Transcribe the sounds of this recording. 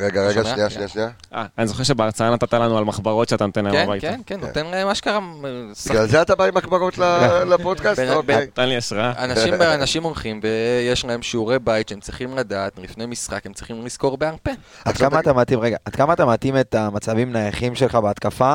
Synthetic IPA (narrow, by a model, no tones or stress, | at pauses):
ʁeɡaʁeɡaiaaniaʔa̰anizoχeʁʃebeaʁt͡saanat̪at̪alanualmaχbaʁotʃeat̪anot̪enlaemnbajtkenkenːot̪enlaemaʃkaʁasalzeat̪abaimakbaʁot̪lalapod̪kasbbt̪anliaʃʁaanaʃimanaʃimo̞lχimvejeʃlaemʃiuʁejbajtʃeemt͡sʁiχimladaːt̪lifnejmisχakemt͡sʁiχimlisko̞ʁbe̞aʁpe | ad̪kkamat̪amat̪imʁeɡaʔad̪kamaːt̪amat̪imet̪amat͡savimnajaχimʃe̞lχabeat̪kafa